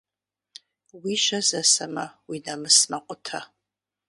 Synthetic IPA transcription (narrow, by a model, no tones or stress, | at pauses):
wiʃɐzɐsɐmɐwinɐmɨsmɐqʷʼʊtʰɐ